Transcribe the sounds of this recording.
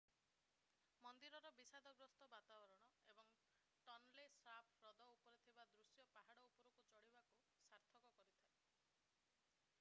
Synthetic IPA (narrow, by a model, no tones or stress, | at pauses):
mɔnd̪iɾɔɾɔbisad̪ʱɔɡɾɔst̪ɔbat̪abɔɾɔɽ̃ɔebɔŋ | ʈɔnlesapʰɾɔd̪ɔupɔɾet̪ʰibad̪ɾusjɔpaɦaɽɔuɔɾɔkut͡ʃɔɽibaku | saɾt̪ʰɔkɔkɔɾit̪ʰae